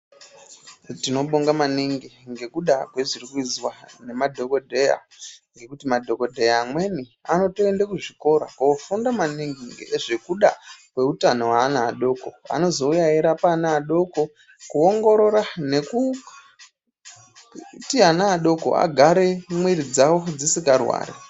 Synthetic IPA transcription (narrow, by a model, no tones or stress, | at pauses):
tino̞ɓoŋɡamaniŋɡiŋɡe̞kuɗakwe̞ʐirikuid͡zwane̞madʱo̞ko̞dʱe̞ja̰ | ŋɡe̞kutimadʱo̞ko̞dʱe̞jaːmwe̞niano̞toendakuʐiko̞ɾa̰kuofundamaniŋɡiŋɡḛʐe̞kuɗakwe̞utanowaːnaːɗo̞ko̞a̰no̞zo̞ujaeɾapanaːɗo̞ko̞ | kuo̞ŋɡo̞ɾo̞ɾane̞ku | tianaːɗo̞ko̞̰a̰ɡʱaɾe̞mwiɾid͡zawo̞d͡zisikarwa̰ːɾḛ